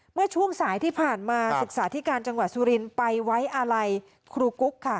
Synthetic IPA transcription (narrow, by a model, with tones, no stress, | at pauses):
mɯ˥˩ət͡ɕʰu˥˩əŋsaː˩˦jt̪ʰiː˥˩pʰaː˨˩nmaː˧sɯ˨˩k̚saː˩˦t̪ʰi˦˥kaː˧nt͡ɕa˧ŋwa˨˩t̪̚suː˧ɾi˧npa˧jwa˦˥jʔa˧ɾa˧j | kʰɾuː˧ku˦˥kʰːa˥˩